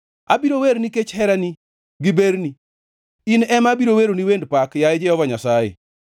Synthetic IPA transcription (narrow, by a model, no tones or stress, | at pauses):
a̰biɾoweɾniket͡ʃhɛɾani | ɡɪbeɾni | inɛmabiɾoweɾoniwendpakjaed͡ʒɛɔvaɲasajḛ